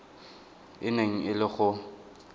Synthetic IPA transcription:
ɪneŋ̩ɪlɪχʊ

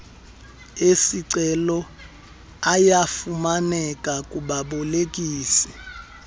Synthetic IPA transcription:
esiǀɛlɔ | ajafumanɛkʼakʼuɓaɓɔlek̬ʼiːsi̥

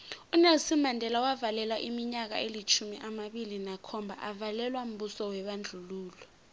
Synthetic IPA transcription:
unelsimandʱɛlawavalɛlwaʔimiɲak̬a̰elit͡ʃʰumiʔamaɓilinakʰɔmbʱaʔavalɛlwam̩ɓusɔwɛɓand͡ɮʱuluːlɔ

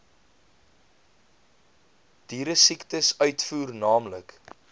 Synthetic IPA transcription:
d̥iːɾəsiktəsœɥtfuːrnɑːmlək

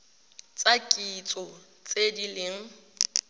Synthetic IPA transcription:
t͡sʼakʼit͡sʼɔ | t͡sʼedilɪŋ̩

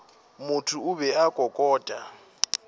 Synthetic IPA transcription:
mʊtʰʊʊbɛakʼɔkʼɔːtʼa

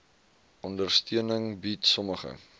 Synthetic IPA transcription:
ʔɔndərstiənəŋbitsɔməχə̰

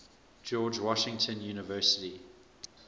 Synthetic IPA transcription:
d͡ʒɔːd͡ʒwɔʃɪ̃ŋtʰə̃njuːnɪvɜˑsɪ̥ti

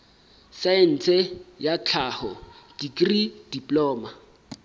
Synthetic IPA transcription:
saɛn̩t͡sʰɛjat͡ɬʰaːhɔd̥ikrid̥ipʼlɔːma

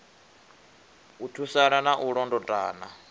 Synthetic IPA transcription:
utʰusaɺanaʔuɺɔndɔtʼa̰ːna

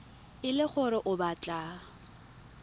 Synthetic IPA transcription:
ɪlɪχʊɾɪʔʊbat͡ɬʼa

